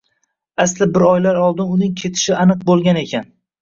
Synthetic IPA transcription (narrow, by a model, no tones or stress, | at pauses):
aslɪbɪɾɒjlaɾɒlˠd̪ɪnʊnɪŋkʲʰe̞t̪ʰɪ̥ʃɪanɨq̚bolˠɡʲane̞kʲʰan